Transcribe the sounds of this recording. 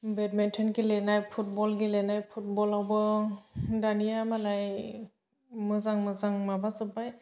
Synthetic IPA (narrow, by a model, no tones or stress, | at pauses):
bɛtmɛntʰenɡilenajpʰut̚bɔlɡilenajpʰut̚bɔlawbɯ | danijamalaj | mɯzaŋmɯzaŋmabasɯpaj